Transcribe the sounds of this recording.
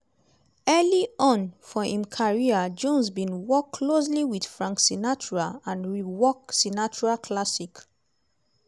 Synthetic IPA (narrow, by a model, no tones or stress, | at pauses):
ɛliɔ̃nfɔĩmkʰaɹiad͡ʒɔ̃nsbĩnwɔkʰːlos̬liwid̥fɹãŋksinat͡ʃuɹalãnɹiwɔksinat͡ʃuɹakʰlasik